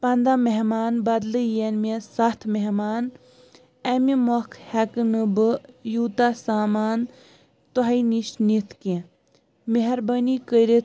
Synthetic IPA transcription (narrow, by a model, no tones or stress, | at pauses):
pɐnd̪ameɦmaːnbɐd̪lɨjenmesɐt̪ʰmeɦmaːn | ɐmimɔkʰhɛkɨnɨbɨjuːt̪asaːmaːn | t̪ɔɦɐiniʃnit̪ʰkẽ | meɦɐɾbənikəɾe